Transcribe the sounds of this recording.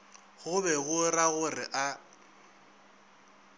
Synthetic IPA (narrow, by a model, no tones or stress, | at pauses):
ɣʊbɛɣʊraɣʊrɪʔa